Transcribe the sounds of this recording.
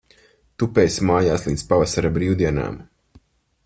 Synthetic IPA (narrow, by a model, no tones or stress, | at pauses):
t̪upɛːjsmaːjaːslˠint̪spavasaɾabɾiːwd̪iɛna̰ːm